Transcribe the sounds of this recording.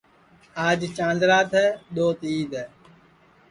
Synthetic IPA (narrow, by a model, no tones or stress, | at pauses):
aːd͡ʒt͡ʃãːnd̪ɾaːt̪ʰɛːɗ̪oːt̪iːd̪ɛː